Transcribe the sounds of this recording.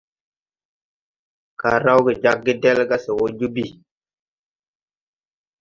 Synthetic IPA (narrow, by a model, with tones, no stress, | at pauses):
ka˨ɾa˦wɡi˨d͡ʒa˦k̚ɡi˦de˦lɡa˦se˨wo˦d͡ʒu˦bi˨